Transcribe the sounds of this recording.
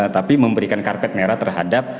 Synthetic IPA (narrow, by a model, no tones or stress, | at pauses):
t̪apiməmbəɾikankarpɛt̪̚meɾat̪ərɦa̰dap̚